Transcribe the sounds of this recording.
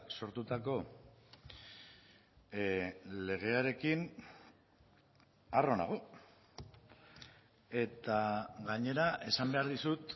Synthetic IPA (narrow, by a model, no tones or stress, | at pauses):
so̞ɾt̪ut̪ako̞ | le̞ɣ̞e̞aɾe̞kin | aro̞na̰ɣo | e̞t̪aɣaɲe̞ɾaʔe̞sambe̞aɾðisut̪